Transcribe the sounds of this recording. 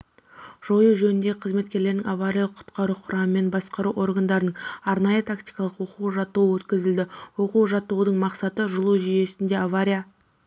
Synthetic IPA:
ʒ̥o̞jəʒɵnɪnd̪e̞qʰəzme̞t̪kʲe̞ɾleɾnɪŋʔavaɾʲijalˠəqʰʊ̥t̪qɑɾuqʰʊɾɑməme̞nbɑsqɑɾuʔo̞rɡand̪ɑɾənəɴɑɾnɑjət̪ʰakt̪ijkɑlˠəqwo̞quwʒɑt̪ːuwəwɵt̪kʲɪzɪld̪ɪwo̞quwʒɑt̪ːuwəd̪əɴmɑqsɑt̪əʒʊlˠuʒije̞sɪnd̪e̞avaɾʲija

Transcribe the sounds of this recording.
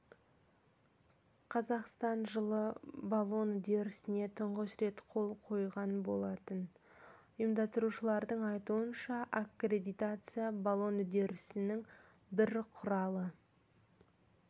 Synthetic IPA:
qʰɑzɑqst̪ɑnʒəlˠəbalˠo̞nʏd̪e̞ɾɪsɪne̞t̪ʰʊɴʁəsɾe̞t̪qʰo̞lˠqʰo̞jʁɑnbo̞lˠɑt̪ən | ʊjəmd̪ɑst̪əɾuʃəlˠɑɾd̪əɴɑjt̪uənʃɑʔakre̞d̪ijt̪at̪sɨjabalˠo̞nʏd̪e̞ɾɪsɪnɪŋ | bɪɾqʰʊɾɑlˠə

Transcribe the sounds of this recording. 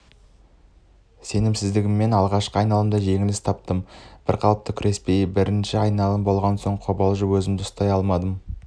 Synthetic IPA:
se̞nɪmsɪzd̪ɪɡʲɪmːe̞nɑlˠʁɑʃqəɑjnɑlˠəmd̪ɑʒe̞ŋɪlɪst̪ʰɑp̚t̪əmb̥ɪɾqʰɑlˠəp̚t̪əkʲʰʏɾʔe̞spe̞jbɪɾɪnʃɪɑjnɑlˠəmbo̞lˠʁɑnso̞ɴqʰo̞bɑlˠʒəwɵzɪmd̪ɪʊst̪ɑjɑlˠmɑd̪əm

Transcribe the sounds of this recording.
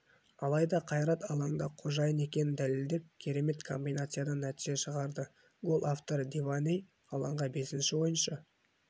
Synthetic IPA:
ɑlˠɑjd̪ɑqʰɑjɾɑt̪ɑlˠɑɴd̪ɑqʰo̞ʒɑjəne̞kʲe̞nɪnd̪æleld̪e̞p̚kʲʰe̞ɾe̞me̞t̪kʰo̞̰mbʲijnat̪sɨjad̪ɑnːæt̪iʒ̥e̞ʃəʁɑɾd̪ə | ɡo̞lˠaft̪o̞ɾd̪evanʲej | ɑlˠɑɴʁɑbe̞sɪnʃɪwo̞jənʃɑ

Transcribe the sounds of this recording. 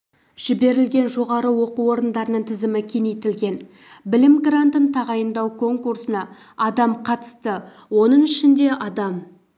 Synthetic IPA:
ʒ̥ɪbe̞ɾɪlɡʲe̞nʒo̞ʁɑɾəwo̞quo̞ɾənd̪ɑɾənəɴt̪ʰɪzɪmɪkʲʰenejt̪ɪlɡʲe̞n | bɪlɪmɡrant̪ənt̪ʰɑʁɑjənd̪ɑwkʰo̞ŋkursənɑ | ɑd̪ɑmqʰɑt̪ə̥st̪ə | wo̞nəɴɪʃɪnd̪e̞ʔɑd̪ɑm

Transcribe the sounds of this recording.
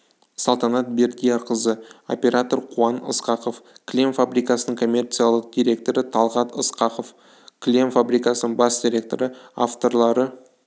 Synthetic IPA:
sɑlˠt̪ɑnɑt̪̚be̞ɾd̪ʲijɑɾqəzəo̞̰pʲe̞ɾat̪o̞rqʰuɑnə̰sqɑqo̞fkʲʰlʲemfabɾijkɑsənəɴŋkʰo̞mʲːe̞rt̪sijalˠəq̚d̪ʲijɾʲe̞k̚t̪o̞ɾət̪ʰɑlˠʁɑt̪əsqɑqo̞f | klʲe̞mfabɾijkɑsənəɴbɑsd̪ʲiɾʲe̞k̚t̪o̞̰ɾəa̰ft̪o̞rlˠɑɾə

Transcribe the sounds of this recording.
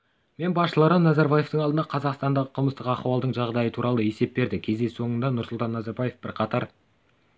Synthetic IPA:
me̞nbɑsʃəlˠɑɾɑnɑzɑɾbaje̞ft̪əɴɑld̪ənɑqʰɑzɑqst̪ɑnd̪ɑʁəqʰəlˠməst̪əqɑχuwɑlˠd̪əɴʒɑʁd̪ɑjət̪ʰuɾɑlˠəe̞se̞p̚be̞ɾd̪ɪkʲʰe̞zd̪e̞so̞ɴənd̪ɑnʊɾsʊlˠt̪ɑnːɑzɑɾbaje̞fbɪɾqʰɑt̪ɑɾ

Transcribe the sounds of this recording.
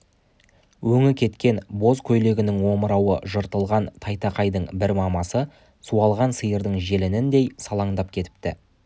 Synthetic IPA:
wɵŋɪkʲʰe̞t̪kʲe̞nbo̞zkʲʰɵjle̞ɡʲɪnɪŋwo̞məɾɑwə̰ʒəɾt̪əlˠʁɑnt̪ʰɑjt̪ɑqɑjd̪əɴbɪɾmɑmɑsə | suɑlˠʁɑnsəjəɾd̪əɴʒe̞lɪnɪnd̪e̞jsɑlˠɑɴd̪ɑp̚kʲʰe̞t̪ɪ̥p̚t̪ɪ

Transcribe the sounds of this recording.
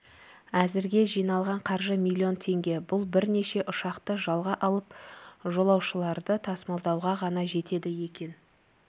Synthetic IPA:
æzɪɾɡʲe̞ʒijnɑlˠʁɑɴqʰɑɾʒəmilʲːio̞nt̪ʰe̞ŋɡʲe̞bʊlˠbɪɾne̞ʃe̞ʔʊʃɑqt̪əʒɑlˠʁɑʔɑlˠəpʒo̞lˠɑwʃəlˠɑɾd̪ət̪ʰɑsmɑlˠd̪ɑwʁɑʁɑnɑʒe̞t̪e̞d̪ɪje̞kʲe̞n

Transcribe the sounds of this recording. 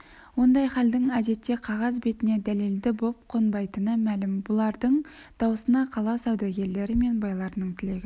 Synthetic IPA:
wo̞nd̪ɑjχɑld̪ɪɴæd̪e̞t̪ːe̞qʰɑʁɑzbe̞t̪ɪne̞d̪æle̞ld̪ɪbo̞p̚qʰo̞nbɑjt̪ənəmælɪmbʊlˠɑɾd̪əɴd̪̥ɑwəsənɑqʰɑlˠɑsɑwd̪ɑɡʲe̞ɾle̞ɾɪme̞nbɑjlˠɑɾənəɴt̪ʰɪle̞ɡʲɪ

